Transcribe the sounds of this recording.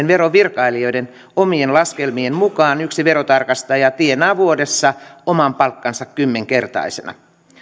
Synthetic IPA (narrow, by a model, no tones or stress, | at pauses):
nʋeɾoʋirkɑilio̞jden | omienlɑskelmiemmukɑːnyksiʋeɾot̪ɑrkɑst̪ɑjɑt̪ienæːʋuodesːɑomɑmpɑlkːɑnsɑkkymːeŋkert̪ɑ̰isenɑ̰